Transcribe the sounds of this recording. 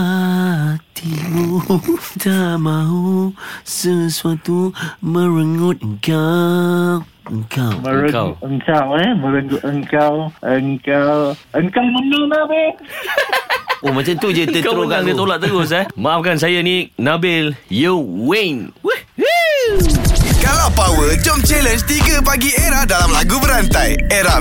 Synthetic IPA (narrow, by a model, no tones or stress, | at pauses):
t̪ʰibutamãɦusəsuat̪umə̃ɾəŋʊt̪̚əŋka | w | əŋkawməɾəka̰wəŋkawɛmə̃ɾəŋɡʊt̪̚əŋkawʔəŋkawʔəŋkawmənonabel | omãt͡ʃamt̪ud͡ʒəəɾoɡaŋdiət̪olaʔt̪əɡʊs̬amaʔafkans̬ajanĩnabɪljəwenw | kalapawəd͡ʒɔmt͡ʃɛlənst̪iɡəp̬aɡieɾahdalamlaɡubəɾant̪ajeɾa